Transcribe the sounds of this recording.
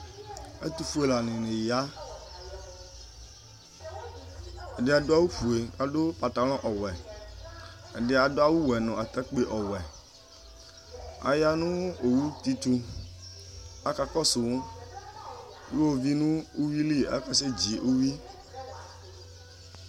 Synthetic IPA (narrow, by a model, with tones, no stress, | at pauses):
ḛ˦t̪u˨fu˦e˨la˨nɪ̃˨nẽ˨ja˦ | ɛ˨dɪ˦a˨do˦a˦wu˦ɸu˨e˨a˨do˦pa˨t̪a˨lɔ̃˦ʔɔ˨wɛ˨ | ɛ˨dɪ˦a˨do˦a˦wu˦wɛ˨nɔ̃˨a˨t̪ɛ˦k͡pe˦ʔɔ˨wɛ˨ | a̰˨ja˦nũ˦o˨wu˦t̪i˦t̪u˦ | a˦ka˨kɔ˦sʊ˨˦ | jo˦wo˨vi˦nũ˦u˦wi˦li˦˨ʔa̰˦ka˦se˦d͡ʑi˨ʔu˦wi˦